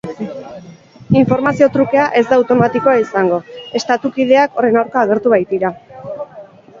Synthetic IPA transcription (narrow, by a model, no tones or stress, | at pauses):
iɱfo̞ɾmasio̞t̪ɾuke̞aʔe̞zd̪aːwt̪o̞mat̪iko̞aisaŋɡo̞e̞st̪at̪ukið̞e̞ako̞re̞nawɾkaːɣ̞e̞ɾt̪uβajt̪iɾa